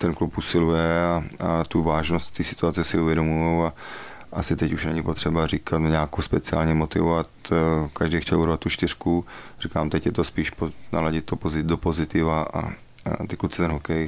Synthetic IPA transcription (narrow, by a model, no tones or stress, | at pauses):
t̪ɛnklupʔusɪlujɛaat̪uvaːʒnost̪t̪isɪ̥t̪uat͡sɛsɪuvjɛdomujowa | ʔasɪt̪ɛcuʃnɛɲɪpo̞t̪r̥ɛbariːkʰat̪nɲaːkowspɛt͡sɪa̰ːlɲɛmot̪ɪ̰vovat̪kaʒdɛjxcɛluɾvat̪ːut͡ʃt̪ɪr̥kuriːkaːmt̪ɛcjɛt̪ospiːʃpona̰laɟɪt̪t̪ːopozɪdopozɪt̪ɪvaʔa̰ | t̪ɪklut͡sɛt̪ɛnɦokɛj